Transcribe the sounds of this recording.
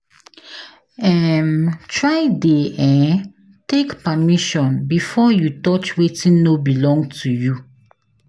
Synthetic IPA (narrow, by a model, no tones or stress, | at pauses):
ɛmtɹaɪdeɛ̃n | tekpamiʃɔ̃nbifɔjutɔt͡ʃwetĩnːobilɔ̃ŋɡtʰuju